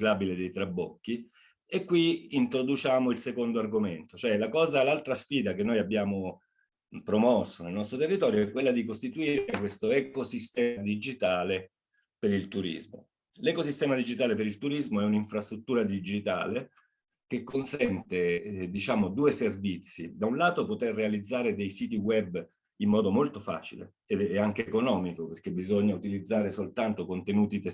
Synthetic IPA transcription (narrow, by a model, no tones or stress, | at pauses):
klabiled̪ejt̪ɾabːɔ̰kːi | ekːwiint̪ɾod̪ut͡ʃaːmoilsekond̪oarɡoment̪ot͡ʃoɛlakɔːzalalt̪ɾasfiːd̪akenːojabːjaːmo | pɾomɔsːonelnɔst̪ɾot̪erːit̪ɔːɾjoɛkːwelːad̪ikost̪it̪uiɾekwest̪oɛkosist̪ɛːmad̪id͡ʒit̪aːle | peɾilt̪uɾḭzmo̰ | lɛkosist̪ɛːmad̪id͡ʒit̪aːlepeɾilt̪uɾizmoɛuniɱfɾast̪ɾut̪ːuːɾad̪id͡ʒit̪a̰ːle | k̟ekːonsɛnt̪ed̪it͡ʃaːmod̪uːeservit̪sːid̪aunlaːt̪opot̪erːealid̪zːaːɾed̪ejsiːt̪iwɛbː | imːɔːd̪omolt̪ofa̰ːt͡ʃilḛ | eaŋk̟ekonɔːmikoperk̟ebizoɲːaut̪ilid̪zːaːɾesolt̪ant̪okont̪enuːt̪it̪e